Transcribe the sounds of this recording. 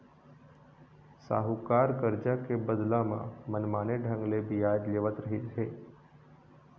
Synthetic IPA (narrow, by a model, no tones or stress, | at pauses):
sa̰ɦukaɾkəɾd͡ʒakebəd̪lamã̰mənmaneɖʱə̃ŋɡlebijajd̪leʋət̪ɾəɦit͡ʃʰe